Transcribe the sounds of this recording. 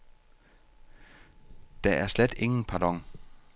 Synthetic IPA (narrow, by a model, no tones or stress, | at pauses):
d̥æʔæɐsled̥e̝ŋn̩pʰɑd̥ɒ̽ŋ̰